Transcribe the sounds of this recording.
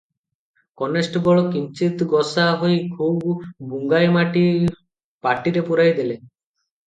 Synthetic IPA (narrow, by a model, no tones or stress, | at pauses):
kɔnesʈɡɔɭokint͡ɕit̪ɡɔsaɦojkʰubbuŋɡajmaʈi | paʈiɾepoɾajd̪ele